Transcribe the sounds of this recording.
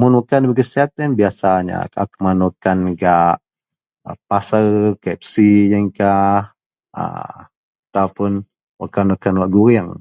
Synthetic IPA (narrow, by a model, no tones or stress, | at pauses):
mʊnwəkanbəɡəsiat̪ənbiasaɲa̰ka̰kəmanukanɡaʔ | əpasərkɛp̚sijəŋkah | ə̰ | t̪awpʊn | wa̰kanwakanwaʔɡuɾiaŋ